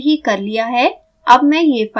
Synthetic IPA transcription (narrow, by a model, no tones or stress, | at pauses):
ɦikɐɾlijaɦɛ | ɐbmɛ̃jef